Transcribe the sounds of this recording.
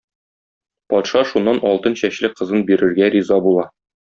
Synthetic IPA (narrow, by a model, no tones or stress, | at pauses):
pɒt̪ʃɑʃunːɑnɒlˠt̪ɤnɕæɕlɘqɤ̆zɤnbiɾɘ̆ɾɡæɾizɑbulˠɑ